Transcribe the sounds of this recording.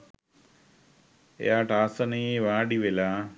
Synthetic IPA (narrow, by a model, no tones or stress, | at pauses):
ḛjaːʈaːsənieʋãːɖiʋelaː